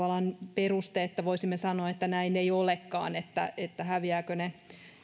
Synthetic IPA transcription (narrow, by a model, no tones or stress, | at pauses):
ɑlɑnperust̪eet̪ːæʋoisimːesɑnoɑet̪ːænæineiolekːɑ̰ːnet̪ːæ̰et̪ːæhæʋiæːkøne